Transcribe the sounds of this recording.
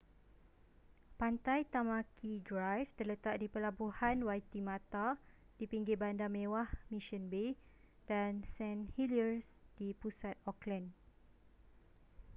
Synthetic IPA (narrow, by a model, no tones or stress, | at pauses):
pant̪ajt̪amãkʰidɾajft̪ərlət̪aʔ̚dipəlabuhanwajt̪imãt̪a | d̥ipiŋɡɪbandamẽwahmĩʃənbe | d̥ansɛ̃nhiliərsd̥ipusat̪̚ɔklɛn